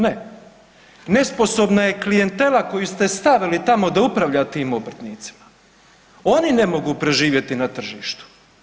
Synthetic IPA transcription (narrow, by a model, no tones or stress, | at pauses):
ne | ne̞spo̞so̞bnaje̞klije̞nt̪e̞lako̞just̪e̞st̪aʋilit̪amo̞d̪aupɾaʋʎaːt̪iːmobr̩t̪niːt̪si̥ma | o̞nine̞mo̞ɡupɾe̞ʒiːʋje̞t̪inat̪r̩ʒiːʃt̪u̥